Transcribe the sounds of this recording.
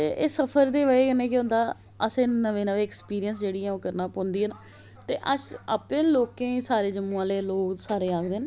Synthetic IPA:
t̪eːʔeːsəpʰəɾd̪eːʋəeːkənẽːkɪʊ̃ːnd̪aː | əsẽːnəʋẽːnəʋẽːɛkspiːɾijənsd͡ʒeːɽiːɛ̃ːoːkəɾnaːpõːnd̪iːɦɛːnaː | t̪eːʔəsa̰ːpẽːloːkẽːsaːɾeːd͡ʒəmːũːãːleːloːksaːɾeːaːkd̪eːn

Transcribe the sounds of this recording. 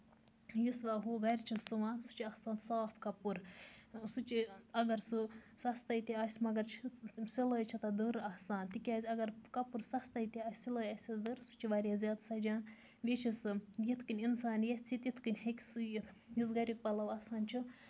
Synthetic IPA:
jisʋaːɦuːɡɐɾʲt͡ʃʰisuʋaːnsu̥t͡ʃʰiɐhsaːnsaːpʰkɐpuɾsut͡ʃiɐɡɐɾsusɐst̪ɐjt̪ʲiaːsʲmɐɡɐɾt͡ʃʰsiləːjt͡ʃʰɐt̪ɐd̪ɨɾɐhsaːnt̪ikʲaːzʲɐɡɐɾkɐpuɾsɐst̪ɐjt̪ʲiasʲsiləːjɐsʲid̪ɨɾsu̥t͡ʃʰiʋaɾʲjaːzʲjaːd̪sɐd͡ʒʲaːn | bʲit͡ʃʰisɨjit̪ʰkinʲinsaːnjet͡sʰit̪jit̪ʰkɨnʲhekʲsɨjit̪ʰ | jis̬ɡɐɾʲik̚pɐlɐʋɐsaːnt͡ʃʰi

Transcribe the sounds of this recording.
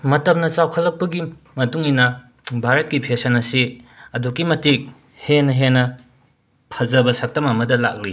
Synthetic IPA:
mɐtɐp̚nɐt͡ʃawkʰɐlːɐk̚pɐɡi | mɐtuŋinɐ | bʱaɾɐt̚kipʰesɐnɐsiɐdukːimɐtik̚ | henɐɦenɐ | pʰɐzɐbɐsɐk̚tɐmɐmɐdɐla̰k̚li

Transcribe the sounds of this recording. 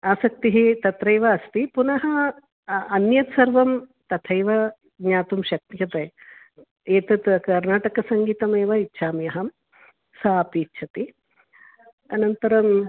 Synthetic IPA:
aːsɐk̚t̪iɦit̪ɐt̪ɾɐjʋɐɐst̪ipunɐɦɐː | njɐt̪sɐɾʋɐmt̪ɐt̪ʰɐjʋɐ | ɡɲaːt̪umʃɐk̚t̪jɐt̪ɐj | eːt̪ɐt̪kɐɾnaːʈɐkɐsɐŋɡiːt̪ɐmeːʋɐitːʃʰaːmjɐɦɐm | sɐapiːtːʃʰɐt̪i | ɐnɐnt̪ɐɾɐm

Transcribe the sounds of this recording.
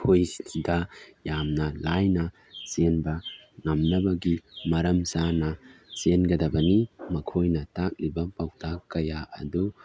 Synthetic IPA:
kʰojsidɐjamnɐlajnɐ | senbɐŋɐmnɐbɐɡimɐɾɐmsanɐsenɡɐdɐbɐnimɐkʰojnɐtak̚libɐpawtakɐjaɐ̰du

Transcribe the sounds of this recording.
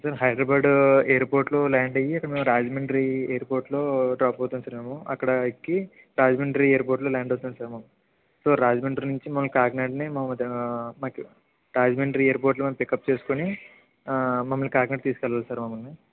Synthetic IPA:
sɐɾɦɐjɖɾɐbaːɖeːɾpoːɾʈloːlaːɳɖɐjiɐkɐɽɐmeːmuɾaːd͡ʒmeɳʈɐɾieːɐɾpoːɾʈloːɖɾaːpɐwt̪und̪saːɾmeːmuɐkːɐɽɐkːi | ɾaːd͡ʒmeɳʈɐɾieːɾpoːɾʈloːlaːɳɖost̪und̪isaːɾmɐmɐ | so̞ːɾaːd͡ʒmeɳʈɐɾnuɲt͡ʃimɐmːɐlukaːɡneɖnimɐmmɐd̪maːku | ɾaːd͡ʒmeɳʈɐɾieːɾpoɾʈlomɐmɐmpikɐp̚t͡ʃe̞ːsu̥koni | mɐmːɐlikaːɡneːɖ̚t̪iːsu̥kɛlʋaːlsaːɾmɐmːɐlni

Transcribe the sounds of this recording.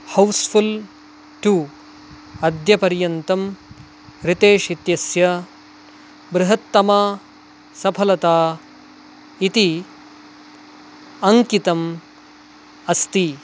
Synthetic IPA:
hɐwspʰul | ʈu | ɐd̪jɐpɐɾjɐnt̪ɐm | ɾɪt̪eːʃit̪jɐsjɐ | bɾɪɦɐt̪ːɐmaː | sɐpʰɐlɐt̪aː | it̪i | ɐŋkit̪ɐm | ɐst̪i

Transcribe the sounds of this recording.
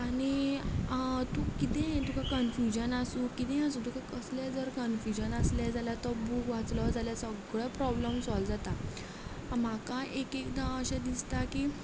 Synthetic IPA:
aɽ̃i | t̪ukit̪ɛ̃t̪ukakənfjud͡ʑənasuːkit̪ɛ̃jãsud̪ukʰakəsljad͡zəɾkənfjud͡ʑənasljad͡zaljat̪ɔbukʋat͡sləd͡zaljasəɡɭɛpɾɔbləmsɔld͡zat̪a | am̤akãʔekekd̪aəɕãd̪ist̪aki

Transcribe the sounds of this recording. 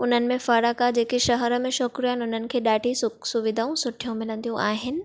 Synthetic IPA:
ʊn̤ənɪ̆mẽfɐɽakad͡ʑeːkiʃɐɦəɾə̆mẽʃɔkɾiaːɦɪnɪʊn̤ənɪ̆kʰeːɗaːʈisʊsʊʋɪd̪ʱaːũsʊʈʰijũmɪlə̃nd̪ijũʔaːɦɪnɪ̆

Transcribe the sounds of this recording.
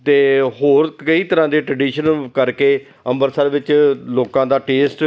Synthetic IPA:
t̪eːɦoːɾkəiːt̪əɾãːd̪eːʈɾəɖiːʃənkəɾkeː | əmbəɾsəɾʋɪt͡ʃloːkãːd̪aːʈeːsʈ

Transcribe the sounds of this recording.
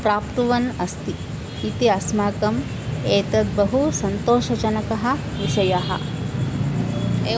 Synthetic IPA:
pɾaːpt̪uʋɐnɐst̪iː | t̪iɐsmaːkɐm | eːt̪ɐt̪̚bɐɦusɐnt̪oːʃɐd͡ʒɐnɐkɐɦɐ̆ | ʋiʃɐjɐɦɐ̰̆ | e

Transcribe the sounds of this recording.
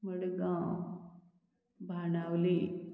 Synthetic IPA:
məɽɡã | bʱanawli

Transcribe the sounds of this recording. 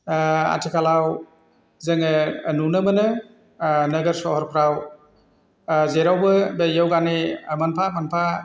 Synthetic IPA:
a̰tʰikʰalaw | zɐŋɯnunɯmɐnɯ | nɐɡəɾsɔhɔɾpʰɾaw | zeɾawbɯbejawɡanemanpʰamanpʰa

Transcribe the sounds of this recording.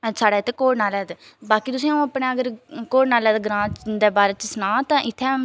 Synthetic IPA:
saːɽaːt̪ʰːeːkoːɽnaːlɛːd̪e | baːkiːt̪ʊsĩːaũəpɳeːəɡəɾkoːɽnaːlɛːd̪eːɡɾãːt͡ʃd̪eːbaːɾeːt͡ʃəsnãːt̪ãːʔɪt̪ʰːeː

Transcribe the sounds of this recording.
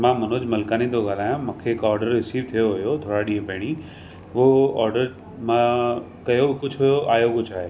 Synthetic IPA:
mãːmɐnod͡ʑmɐlkaːnĩnd̪oɡaːlaːjãmʊ̃ːkʰeɪkɔːɾɖəɾːɪsiːʋt̪ʰijoɦʊjot̪ʰoːɽaɗĩːɦə̃pɐɦɪɽ̃i | ʋoɔ̰ːɾɖəɾ | mã | kɐjobɪkʊd͡ʑʱɦʊjoʔaːjokʊd͡ʑʱʰaːɦeː

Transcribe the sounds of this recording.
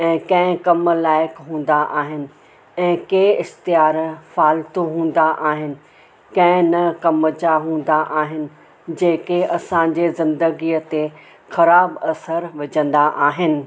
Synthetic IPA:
ɛ̃ːkɐ̃ɦɪ̃kɐmlaːɪkɦũːn̆d̪aʔaːɦɪnɪ̆ | ɛ̃ːkeːɪxt̪ijaːɾfaːlt̪oɦũːn̆d̪aʔaːɦɪnɪ̆ | kɐ̃ɦɪ̃nɐkɐməd͡ʑaɦũːn̆d̪aʔaːɦɪnɪ̆ | d͡ʑeːkeɐsãɲd͡ʑezɪ̃nd̪əɡiət̪e | xɐɾaːbɐsəɾʋɐd͡ʑə̃nd̪aʔaːɦɪnɪ̆

